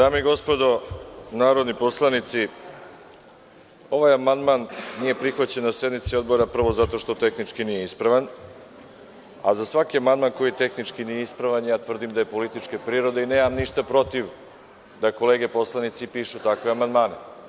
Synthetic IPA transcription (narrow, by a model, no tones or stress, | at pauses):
d̪aːmeiɡo̞spo̞d̪o̞naːɾo̞d̪nipo̞slˠanit̪si | o̞ʋajamand̪manːije̞pɾixʋat͡ɕe̞nːasje̞d̪mit̪sio̞d̪bo̞ɾapr̩ʋo̞zat̪o̞ʃt̪o̞t̪e̞xnit͡ʂkinije̞ispɾaʋan | a̰zasʋakiamand̪maːnko̞jit̪e̞xnit͡ʂkinijeispɾaʋanjaːt̪ʋr̩d̪imd̪aje̞po̞lit̪it͡ʃkepɾiːɾo̞d̪eineːmamniʃt̪apɾo̞t̪iʋ | d̪ako̞leːɡe̞po̞slˠanit̪sipiːʃut̪akʋe̞amand̪maːne